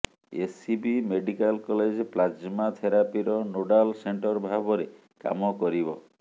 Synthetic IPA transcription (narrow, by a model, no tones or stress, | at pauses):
esibimeɖikalkɔled͡ʒplad͡ʒmat̪ʰeɾapiɾɔnoɖalseɳʈɔɾbʱabɔɾe | ka̰mɔkɔɾibɔ